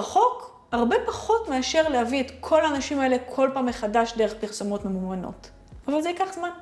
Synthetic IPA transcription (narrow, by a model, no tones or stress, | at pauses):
aχo̞k | haʁbe̞paχo̞tme̞aʃe̞ʁlehavietkʰo̞laːnaʃimae̞le̞kʰo̞lpaːmːeχadaʃdeeχpiʁsomo̞tmemuvano̞̰t | avalzeikaχzman